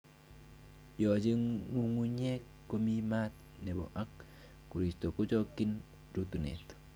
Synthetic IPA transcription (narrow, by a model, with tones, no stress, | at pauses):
jo˨d͡ʒe˦ŋːu˦ŋu˦ɲe˦kːo˦mi˦ma˦t̪ | nɛ˨bɔ̰˨ʔa˦kː | u˨ɾi˨sto˨ku˦d͡ʒɔki˦n | ɾu˦t̪u˨nḛ˨t̪